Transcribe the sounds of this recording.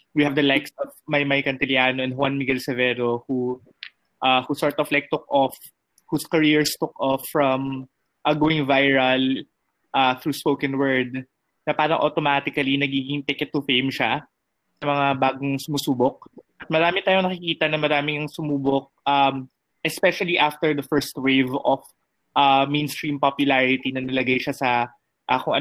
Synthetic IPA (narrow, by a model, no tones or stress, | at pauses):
wihɐvd̪ɐlajksɔvmɐjmɐjkɐnt̪ɪljaːnoʔɛ̃n̚hʊwanmɪɡɛlsɛvɛːɾohu | ʔahusɔɹt̪ɔflajk̚t̪ʊk̚ʔɔf | huskɐɹiɹst̪ʊkʔɔfːɹɐm | ʔɐɡoɪ̃ŋvajɹɐl | ʔaθɹuːspowkɛ̃nwɛɹd̪̚ | nɐpaːɾɐŋʔot̪omaːt̪ɪkɐlinɐɡiːɡɪŋt̪ɪkɛt̪ːʊfejmʃa | sɐmɐŋabaːɡoŋsʊmusuːbok̚ʔɐt̪̚mɐɾaːmɪt̪aːjoŋnɐkɪkiːt̪ɐnɐmɐɾaːmɪŋɐŋsʊmuːbok̚ʔɐm | ʔɛspɛʃɐliʔaft̪ɛɹd̪ɐfɛɹst̪wejvɔf | ʔamẽjnst̪ɹimpopjʊlaɹɪt̪inɐnɐlɐɡajʃasɐ | ʔakoŋʔɐ̰